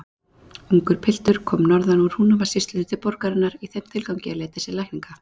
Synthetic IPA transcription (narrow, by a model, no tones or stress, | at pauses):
uŋkʏɾ̥pʰɪl̥t̪ʏɾ̥kʰɔmnɔɾðanuɾ̥hunavḁsɪst̪ʏðʏt̪ʰɪpɔɾkaɾɪnːaɾiθɛmt̪ʰɪlkawcɪaleːt̪ɛsɪlajhkniŋka